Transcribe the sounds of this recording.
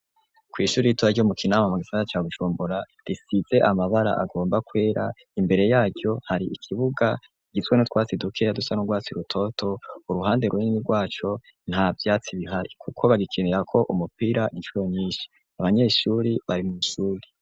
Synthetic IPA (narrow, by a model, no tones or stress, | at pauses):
kwiːʃuːɾijituβaɾɟomukʰinaːmamuɡisandat͡ʃaːβuʒuːmbuɾa | ɾisiz̥e̞ʔamaβaɾa̰ʔa̰ɡo̞ːmbakwe̞ːɾa̰ | imbe̞ɾe̞jaːɟjo̞haɾiʔikʰiβuɡa | iɡizwe̞not̪waːt͡sidukʰejadusanoɡwaːt͡siɾutʰo̞tʰo̞uɾuɦaːnde̞ɾwunininiɾɡwaːt͡ʃo̞ | n̥haːvjaːt͡siβiɦaɾikʰukʰo̞βaɡikʰeneɾakʰo̞ʔumupiɾaʔinʃuɾo̞ɲiːʃi̥ | aβaɲe̞ːʃuɾiβaɾimumuʃuːɾi